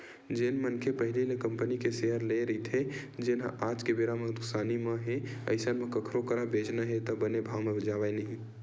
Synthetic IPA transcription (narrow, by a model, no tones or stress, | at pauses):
d͡ʒenmənkʰepəɦililekəmpənikeseɦəɾleɾəɦit̪ʰed͡ʒenaʔad͡ʒkebeɾaməd̪uksaniməɦeə̰ɪsənmekəkʰɾokəɾabed͡ʒnaɦet̪ɔbənebʱawmebəd͡ʒabajnəɦĩ